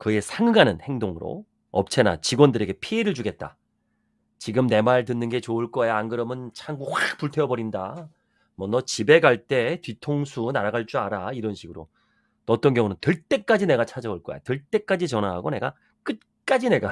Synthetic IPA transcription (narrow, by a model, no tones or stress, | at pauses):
kɯe̞sʰaŋɯɡanɯnhe̞ŋdoŋɯɾo̰ | ʌ̰p̚t͡ɕʰe̞na̰t͡ɕiɡwʌndɯɾe̞ɡe̞pʰieɾɯɭt͡ɕuɡe̞t̚t͈a̰ | t͡ɕiɡɯmne̞maɭtɯnːɯnɡe̞t͡ɕoɯɭk͈ʌejaanɡɯɾʌmɯnt͡ɕʰaŋɡuxwak̚puɭtʰeʌbʌɾinda̰ | mʌnʌt͡ɕibe̞ɡaɭt͈e̞tɥitʰoŋsʰunaɾaɡaɭt͡ɕ͈uaɾaiɾʌnɕʰiɡɯɾo̰ | nʌt͈ʌnkjʌŋunɯntɯɭt͈e̞k͈ad͡ʑine̞ɡat͡ɕʰad͡ʑʌuɭk͈ʌj̰tɯɭt͈e̞k͈ad͡ʑit͡ɕʌnaɦa̰ɡone̞ɡa̰ | k͈ɯt̚ | k͈ad͡ʑine̞ɡa